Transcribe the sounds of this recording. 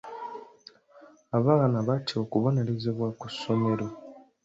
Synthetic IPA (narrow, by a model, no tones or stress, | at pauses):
aβanaβatʰio̞kuβo̞ne̞ɾezeβwaku̥so̞me̞ɾo